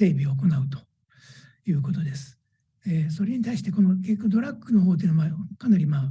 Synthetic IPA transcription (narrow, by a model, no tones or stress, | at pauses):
e̞ːbʲioːk̬o̞naɯ̟t̪o̞̥ | jɯ̟ːko̞t̪o̞d̪e̞sɨ̥ | eso̞ɾe̞ɲ̟it̪aiɕi̥t̪eko̞no̞kʲekʲːkʲːod̪o̞ɾakːɯ̟no̞ɦo̞ːt̪̬eiɯnoβakanaɾʲimaː